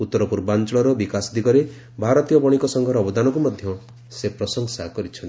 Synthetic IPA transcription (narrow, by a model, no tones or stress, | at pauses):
ut̪ːɔɾɔpuɾbant͡ʃɔɭɔɾɔbikasd̪ikɔɾe | bʱaɾɔt̪ijɔbɔɽ̃ikɔsɔŋɡʱɔɾɔːbɔd̪anɔkumɔd̪ʱjɔ | sepɾɔsɔŋsakɔɾit͡ʃʰɔn